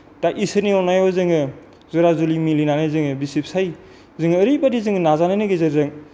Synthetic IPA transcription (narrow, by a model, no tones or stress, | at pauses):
taʔisɯniɔnajɔzɯŋɯ | zuɾazulimilinanɯzɯŋɯbisip̚saj | zɯŋɯːɾibadizɯŋɯnazanɯnɯɡezɯɾzɯŋ